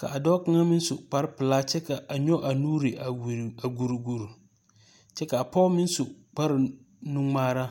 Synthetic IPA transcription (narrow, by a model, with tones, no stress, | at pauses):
ka̰˨ʔa˨dɔ˦ka˦ŋa˦mɪ̃˦n˦sʊ˨k͡pa˨ɾɪ˦pɪ˨laː˦t͡ʃɛ˦ka˨ʔa˨ɲɔ˦ʔa˨nuː˦ɾi˨ʔa˨wa˨ɡu˨ɾɡu˨ɾ | t͡ʃɛ˦ka˨a˨pʰɔ˦mɪ̃˦n˦sʊ˨k͡pa˦ɾɪ˨nʊ̃˦ŋ͡maː˦ɾa˦